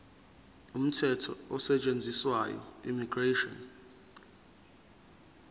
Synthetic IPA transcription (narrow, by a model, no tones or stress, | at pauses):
um̩tʰɛtʰɔɔsɛt͡ʃʼend͡zʱiswajɔ̰imiɡ̥reʃɔn